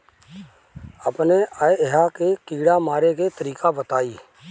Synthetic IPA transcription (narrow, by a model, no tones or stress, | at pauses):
əpneʔaɦakekiːɽamaːɾeket̪əɾiːkabət̪aːiː